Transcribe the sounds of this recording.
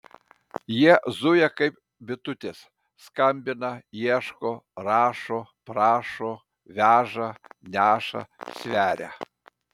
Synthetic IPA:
jɛzujɛkɐɪp̚ | bʲɪt̪ʊt̪ʲes | skɐmʲbʲɪnɐjɛʃkoɾɑːʃopɾɑːʃo | ʋʲæːʒɐnʲæːʃɐ̰sʲʋʲæːɾʲɛ̰

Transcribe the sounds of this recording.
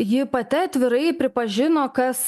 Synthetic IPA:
jɪpɐt̪ʲɪɐt̪ʲʋʲɪɾɐɪpʲɾʲɪpɐʒʲɪnoːkɐs

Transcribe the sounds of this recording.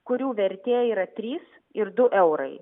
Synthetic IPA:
kʊɾʲuːʋʲɛɾʲt̪ʲeːjiːɾɐt̪ʲɾʲiːs | ɪɾd̪ʊʔɛʊɾɐɪ

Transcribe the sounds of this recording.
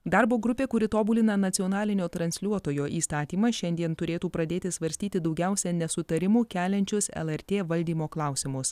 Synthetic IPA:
d̪ɑɾboːɡɾʊpʲeːkʊɾʲɪt̪oːbulʲɪnɐnɐt̪sʲɪɔnɑːlʲɪnʲoːt̪ɾɐnʲsʲlʲuɔt̪oːjoːʔiːst̪ɑːt̪ʲiːmɐʃʲɛnʲd̪ʲiɛnt̪ʊɾʲeːt̪uːpɾɐd̪ʲeːt̪ʲɪsʋɐɾʲsʲt̪ʲiːt̪ʲɪd̪ɒʊɡʲæˑʊsʲɛnʲɛsʊt̪ɐɾʲɪmuːkʲæːlʲɛnʲt͡ʃʲʊsɛ̰lˠɛɾʲt̪ʲeːʋɐlʲd̪ʲiːmoːklˠɑˑʊsʲɪmʊs

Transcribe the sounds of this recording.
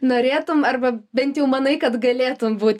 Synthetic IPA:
noːɾʲeːt̪ʊmɐrbɐbʲɛnʲt̪jɛʊmɐnɐɪkɐt̪ɡɐlʲeːt̪ʊmbuːt̪ʲ

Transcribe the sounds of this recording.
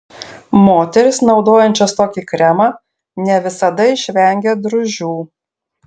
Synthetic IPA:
moːt̪ʲɛɾʲɪsnɒʊd̪oːjɛnʲt͡ʃʲɐst̪oːkʲiːkɾʲɛmɑː | nʲɛʋʲɪsɐd̪ɐɪʃʲʋʲɛŋʲɡʲed̪ɾʊʒʲuː

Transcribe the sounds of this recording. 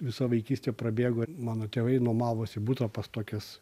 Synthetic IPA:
ʋʲɪsɐʋɐɪkʲiːsʲt̪ʲeːpɾɐbʲeːɡoːmɑːnoːt̪ʲeːʋɐɪnuɔmɑːʋoːsʲɪbut̪ɾɐpɐst̪oːkʲɛs

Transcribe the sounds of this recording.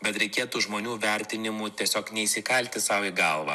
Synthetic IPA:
bʲɛt̪ɾʲɛɪkʲeːt̪uːʒmoːnʲuːʋʲɛˑɾʲt̪ʲɪnʲɪmuːt̪ʲiɛsʲoːknʲɛiːsʲɪkɐlʲt̪ʲɪsɑʊiɡɐlˠʋɐ̰

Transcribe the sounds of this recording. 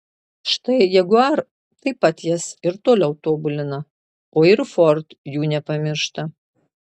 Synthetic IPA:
ʃt̪ɐɪjɛɡʊɐɾ | t̪ɐɪpɐt̪jɛsɪɾt̪oːlʲɛʊt̪oːbʊlʲɪnɐ | oːɪɾfɔɾt̪juːnʲɛpɐmʲɪɾʃt̪ɐ

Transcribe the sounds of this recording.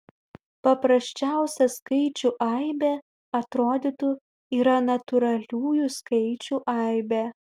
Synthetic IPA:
pɐpɾɐsʲt͡ʃʲæˑʊsʲɛskɐɪt͡ʃʲuʔɐɪbʲe | ɐt̪ɾoːd̪ʲit̪ʊ | iːɾɐnɐt̪ʊɾɐlʲuːjuskɐɪt͡ʃʲuʔɐˑɪbʲe

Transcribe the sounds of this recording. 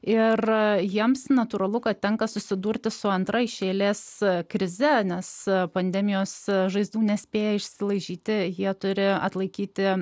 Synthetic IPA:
ɪrjiɛmsnɐt̪uːɾɐlˠʊkɐt̪̚t̪ʲɛŋkɐsʊsʲɪd̪uːɾʲt̪ʲɪsʊɐnt̪ɾɐɪʃʲeːlʲeːskɾʲɪzʲɛnʲɛspɐnʲd̪ʲɛmʲɪjoːsʒɐɪzd̪uːnʲɛsʲpʲeːjɛɪʃʲsʲɪlˠɐɪʒʲiːt̪ʲɪjiɛt̪ʊɾʲɪɐ̰t̪lˠɐɪkʲiːt̪ʲɪ

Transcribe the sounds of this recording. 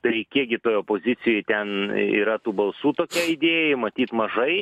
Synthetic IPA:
t̪ɐɪkʲiɛk̚ɡʲɪt̪oːjoːpoːzʲɪsʲɪjojt̪ʲɛnḭːɾɐt̪uːbɐlˠsuːt̪oːkʲɛɪd̪ʲeːjɛmɐt̪ʲiːt̪mɐʒɐɪ

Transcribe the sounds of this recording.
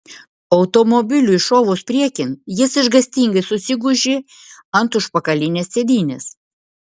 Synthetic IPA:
ɐʊt̪omobʲɪlʲuɪʃoːʋoːspʲɾʲiɛkʲɪnjɪsɪʒɡɐsʲt̪ʲiːŋɡɐɪsʊsʲɪɡʊʒʲe | ɐnt̪ʊʃpɐkɐlʲɪnʲessʲeːd̪ʲiːnʲes

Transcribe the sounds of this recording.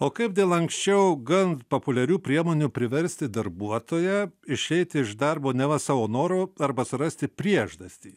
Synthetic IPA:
oːkɐɪp̚d̪ʲeːlˠɐŋksʲt͡ʃʲɛʊɡɐnt̪popʊlʲɛɾʲuːpʲɾʲiɛmoːnʲuːpʲɾʲɪʋʲɛɾʲsʲt̪ʲɪd̪ɐɾbuɔt̪oːjɛɪʃʲɛɪt̪ʲɪɪʒd̪ɐɾboːnʲɛʋɐsɑːʋoːnoːɾoːɐɾbɐsʊɾɐsʲt̪ʲɪpʲɾʲiɛʒd̪ɐsʲt̪ʲiː

